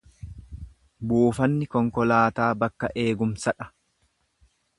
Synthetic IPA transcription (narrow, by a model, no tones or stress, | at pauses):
buːfɐnːɪkɔŋkɔlaːt̪aːbɐkːɐʔeːɡʊmsɐᶑɐ̥